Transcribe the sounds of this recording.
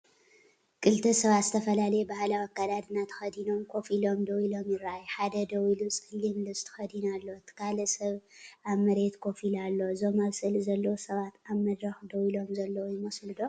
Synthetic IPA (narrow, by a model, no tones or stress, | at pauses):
kʼɨlt̪ʰɐsɐβat̪zɨt̪ʰɐfɐlalɐjebahlawakːad̪ad̪ɨnat̪ʰɐ̥xɐd̪ino̞mkʰo̞filo̞md̪ɐwilo̞mjɪɾaʔjħad̪ɐd̪ɐwilut͡sʼɨlimlɨst̪ʰɐ̥xɐd̪inalːo̞t̪ʰɨ̥kʰalɐsɐβʔaβmɐɾe̞t̪kʰo̞filalːo̞zomaβsɨlzɐlːɐwosɐβat̪aβmɐd̪ɾɐxd̪ɐwilo̞mzɐlːɐwojɪmɐslɨd̪o